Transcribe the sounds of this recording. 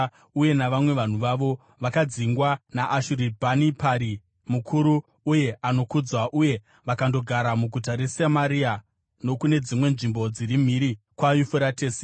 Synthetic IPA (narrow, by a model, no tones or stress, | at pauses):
uje̞naʋamwe̞ʋan̤uʋaʋo̞ | ʋakad͡ziŋɡwanaʔːʃuɾibʱanipʰaɾi | mukʰuɾuː | je̞ano̞kud͡zaʔuje̞ | ʋakando̞ɡʱaɾamuɡʱutaɾesamaɾia | no̞kune̞d͡zimwe̞nʐimbo̞d͡ziɾim̤iɾi | kwajufuɾateːse